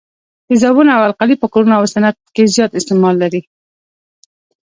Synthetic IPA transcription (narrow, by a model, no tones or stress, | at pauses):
d̪̥əzabunaawalqalipəkoɾunaawsanat̪̚kezjɑt̪ɪst̪ɪmɑlːaɾi